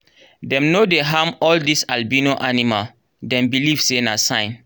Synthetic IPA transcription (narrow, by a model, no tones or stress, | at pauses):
dɛ̃mnodeɦamɔldisalbinoʔanimal | dɛ̃mbiliv̥senasãɪ̃n